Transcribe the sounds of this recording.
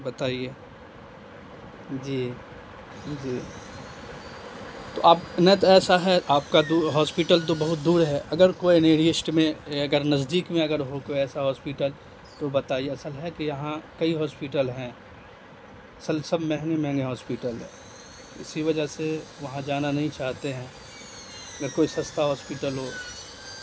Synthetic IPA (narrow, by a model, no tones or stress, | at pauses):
bɐt̪aːieː | d͡ʒiː | d͡ʒiː | t̪oʔaːpnɛt̪ɛːsaɦɛʔaːp̚kad̪uːɾɦɔːspɪʈəlt̪̬obɐɦʊt̪̚d̪uːɾɦɛʔɐɡəɾkoːineːɾiɪsʈmẽɐɡəɾnɐzd̪iːkmẽɐɡəɾɦokoɛːsaɦɔːspiʈəl | t̪obɐt̪aːieɐsəlɦɛkijɐɦãkɐiɦɔːspiʈəlɦɛ̃ː | ɐsəlsɐbmɛɦnemɛ̃ŋɡeɦɔːspiʈəlɛ̰ | ɪ̰siʋɐd͡ʒəɦseʋɐɦãd͡ʒaːnanɐɦĩt͡ʃaːɦt̪eɦɛ̃ː | ɐɡəɾkoːisɐst̪aɦɔːspiʈəlɦoː